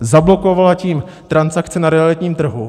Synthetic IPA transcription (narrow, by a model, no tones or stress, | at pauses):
zablo̞kovalaciːm | t̪ɾansakt͡sɪnaɾɛalɪt̪ɲiːmt̪r̩ɦu